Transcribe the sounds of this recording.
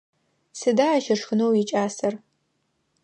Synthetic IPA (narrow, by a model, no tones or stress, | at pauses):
sɨdaːaʃɐʂxɨnowjit͡ʃʼaːsɐr